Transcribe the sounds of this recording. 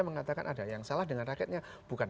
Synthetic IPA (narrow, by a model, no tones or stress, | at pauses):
aməŋat̪aka̰nʔadajaŋsalahdəŋanrakɛt̪̚ɲa | b̥ukan